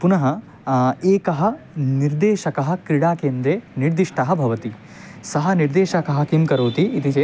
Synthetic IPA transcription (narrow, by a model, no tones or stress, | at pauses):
punɐɦɐ | eːkɐɦɐ̆ | niɾd̪eːʃɐkɐɦɐ̆kɾiɽaːkeːnd̪ɾeːniɾd̪iʂʈɐɦɐ̆bʱɐʋɐt̪i | sɐɦɐ̆niɾd̪eːʃɐkɐɦɐ̆kimkɐɾoːt̪iːt̪it͡ʃe